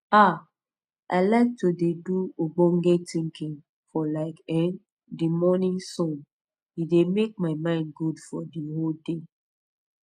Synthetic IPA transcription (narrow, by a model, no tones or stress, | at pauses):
a | ʔa̰ɪlaɪk̚todeduoɡ͡bɔ̃ŋɡetĩŋkĩŋ | fɔlaɪkɛ̃n | dimɔnĩŋsɔ̃n | idemek̚maɪmãɪ̃nɡudfɔdiɦolde